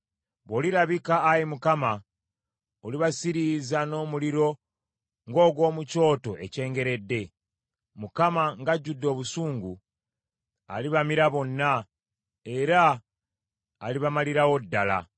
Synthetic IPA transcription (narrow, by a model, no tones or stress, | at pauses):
βoliɾaβikaːjemukama | oliβasiɾizano̞ːmuliɾo̞ | ŋɡo̞ːɡwo̞ːmuco̞ːto̞ʔe̞̰ce̞ːŋɡe̞ɾe̞dːe̞ | mukamaŋɡaɟːudːo̞ːβusuːŋɡu | a̰liβamiɾaβo̞nːa | e̞ɾa | liβamaliɾawo̞dːala̰